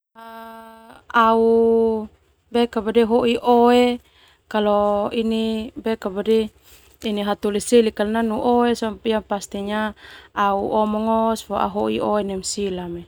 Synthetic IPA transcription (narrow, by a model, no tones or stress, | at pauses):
a | au | bɛkabadɛɦoʔiʔoe | kalɔinibɛkabadɛ | iniɦat̪uliselikalnanuʔoesapijapast̪iɲaauʔɔmɔŋɔsfɔa̰ɦoʔḭoenɛmsilame